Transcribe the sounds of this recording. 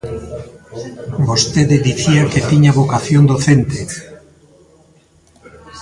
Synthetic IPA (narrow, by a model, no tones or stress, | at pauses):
bost̪eðeðiθiaket̪iɲaβokaθjond̪oθent̪e